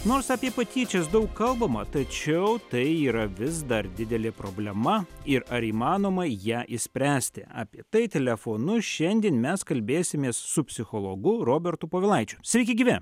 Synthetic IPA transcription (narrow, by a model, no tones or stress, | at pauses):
noːɾsɑːpʲiɛpɐt̪ʲiːt͡ʃʲɛsd̪ɐʊkkɐlˠbɐmɐt̪ɐt͡ʃʲɛʊt̪ɐɪiːɾɐʋʲɪzd̪ɐɾd̪ʲɪd̪ʲɛlʲeːpɾoːbʲlʲɛmɐɪɾɐɾiːmɑːnoːmɐjæːʔɪsʲpʲɾʲæːsʲt̪ʲɪ̰ʔɑ̰ːpʲiɛt̪ɐɪt̪ʲɛlʲɛfoːnʊʃʲɛnʲd̪ʲiɛnmʲɛskɐlʲbʲeːsʲɪmʲeːssʊpʲsʲɪxoːlˠoːɡʊɾoːbʲɛɾt̪ʊpoːʋʲɪlˠɐɪt͡ʃʲʊsʲɛɪkʲɛɡʲiʋʲɛn